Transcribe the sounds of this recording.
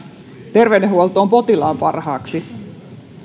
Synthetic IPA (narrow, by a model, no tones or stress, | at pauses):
t̪erʋeneɦuolt̪ˑoːmpo̞t̪ilɑːmpɑrhɑːksi